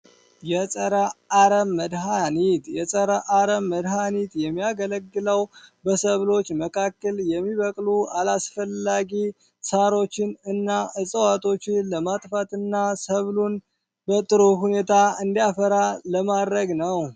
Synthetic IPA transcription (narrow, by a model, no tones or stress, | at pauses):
jɛsʼəɾaaɾəmːəd̪ɦanit̪jɛsʼəɾaʔaɾəmːəd̪ɦanit̪jɛmːijaɡələɡːɨləwbəsəβlo̞t͡ʃːməkʰakːəljɛmːiβəkʼlualasfəlːaɡi | saɾo̞t͡ʃːɪnɨnːaɨsʼəwat̪ʼʰo̞t͡ʃːɪnləmat̪ʼfat̪ʰɨnːasəβlun | bət̪ʼɨɾuɦune̞t̪ʰaɨnd̪ijafəɾaləmad̪ɾəɡnəw